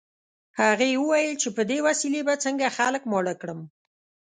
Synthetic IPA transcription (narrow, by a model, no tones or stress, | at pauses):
haɣewəwajəlt͡ʃepəd̪ewasilebat͡səŋɡaxaləkmɑɽakɽəm